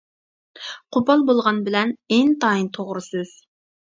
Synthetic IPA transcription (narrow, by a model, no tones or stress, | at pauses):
qʰʊpɑlˠbolˠʁɑnbɪlɛneŋt̪ɑːint̪ʰoʁɾɨsɨz̥